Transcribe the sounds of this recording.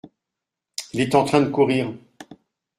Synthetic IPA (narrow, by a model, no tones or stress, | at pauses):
ilɛt̪ɑ̃t̪χɛ̃d̪əkuʁiːʁ